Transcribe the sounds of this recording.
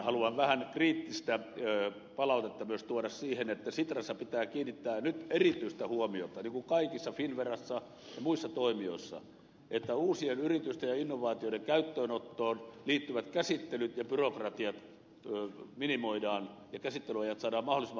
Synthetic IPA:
hɑluɑʋʋæhænkriːt̪ːist̪æ | pɑlɑˑut̪et̪ːɑmyøst̪uodɑssiːhenet̪ːæsit̪rɑsːɑpit̪æːkiːnːit̪ːæːnyt̪erit̪yist̪æhuomiot̪ɑniːŋkuŋkɑikisːɑfinʋerɑsːɑ | jɑmuisːɑt̪oimio̰isːɑ̰ | ʔet̪ːæuːsienyrit̪yst̪ejɑinːoʋɑːt̪ioĭdeŋkæyt̪ːøːnot̪ːoːnliːt̪ːyʋæt̪kæsit̪ːelyt̪jɑpyrokrɑt̪iɑt̪ː | minimoidɑːnjɑkæsit̪ːelyɑjɑt̪sɑːdɑːmmɑholˑisemːɑ

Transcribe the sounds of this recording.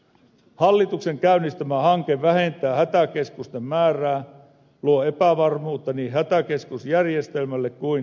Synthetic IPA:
hɑlːit̪ukse̞ŋkæynːist̪æmæhɑŋkeʋʋæhent̪ˑæːhæt̪æke̞skust̪emːæːræː | luoe̞pæʋɑrmuːt̪ːɑniːhæt̪æke̞skusjærjest̪elmælːekkuin

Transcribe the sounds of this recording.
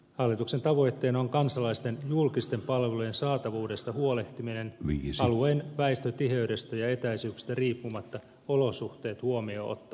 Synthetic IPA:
hɑlːit̪uksent̪ɑʋo̞jt̪ːe̞ːnɑoŋkɑnsɑlɑist̪enjulkist̪e̞mpɑlʋeluje̞nsɑːt̪ɑʋuːde̞st̪ɑhuo̞le̞ht̪iminenʋisɑluenʋæist̪øt̪iɦe̞yde̞st̪æjɑe̞t̪æisyːksi̥st̪æriːpːumɑt̪ːɑ | olo̞suht̪e̞ːt̪huo̞mio̰o̰t̪ːɑ

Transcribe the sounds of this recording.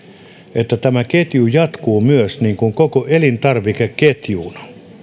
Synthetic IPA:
ʔet̪ːæt̪æmæket̪jujɑt̪kuːmyøsniːŋkuŋkokoʔelint̪ɑrʋikekket̪juːnɑ̥

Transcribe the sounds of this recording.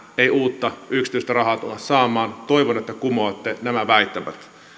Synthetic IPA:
eiuːt̪ːɑyksit̪yˑist̪ærɑɦɑːt̪unɑssɑːmˑɑːnt̪oiʋonet̪ːækumoɑt̪ːenæmæʋæit̪ːæʋæ̰t̪

